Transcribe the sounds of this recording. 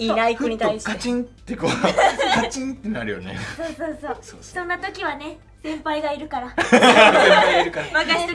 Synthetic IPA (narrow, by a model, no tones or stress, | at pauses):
inaikoɲ̟it̪aiɕikaet͡ɕĩnːekokat͡ɕĩnt̪ːenaɾɯ̟jo̰nḛsoːsoːsoːosõ̞nːat̪o̞kʲiβane̞ | sẽ̞mpaiɡaiɾɯ̟kaɾa | iɾɯkaɾmakaɕt̪